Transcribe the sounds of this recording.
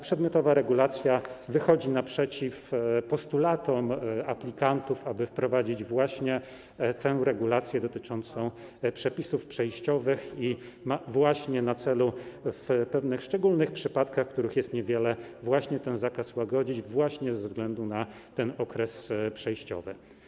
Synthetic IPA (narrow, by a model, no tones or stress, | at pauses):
pʂɛd̪mʲjɔt̪ɔvaɾɛɡulat̪sʲjavɘxɔd͡ʑinapʂɛt͡ɕifpɔst̪ulat̪ɔmaplʲikant̪ufabɘfpɾɔvad͡ʑid͡ʑvwaɕɲɛ | t̪ʰɛw̃ɾɛɡulat̪sʲjɛd̪ɔt̪ɘt͡ʂɔnt̪sɔ̃w̃ | pʂɛpʲisufpʂɛjɕt͡ɕɔvɘxi | mavwaɕɲɛnat̪sɛlufpɛvnɘxʂt͡ʂɛɡulnɘxpʂɘpat̪kaxkt̪uɾɘxjɛst̪ɲɛvʲjɛlɛvwaɕɲɛt̪ɛnzakaswaɡɔd͡ʑid͡ʑvwaɕɲɛzɛːvzɡlɛnd̪una | t̪ɛnɔkɾɛspʂɛjɕt͡ɕɔ̰vɘ̰